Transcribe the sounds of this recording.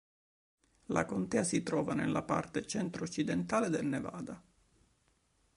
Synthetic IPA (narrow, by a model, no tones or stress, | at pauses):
lʔa̰kont̪ɛːasit̪ɾɔːvanelːʔapa̰rt̪et͡ʃɛnt̪ɾoot͡ʃːid̪ent̪aːled̪elneva̰ːd̪a